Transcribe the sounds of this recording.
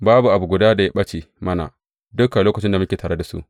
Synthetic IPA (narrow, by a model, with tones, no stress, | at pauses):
baː˦bu˨ʔa˨bu˨ɡʊ˨daː˦da˨ja˦ɓɐ˦t͡ʃi˨ | mɐ˦na̰˨ | dʊ˦kːa˨loː˦kɐ˨t͡ʃɪ˦nda˨mʊ˦kʲeː˨taː˨ɾe˦da˨sṵ˦ʔ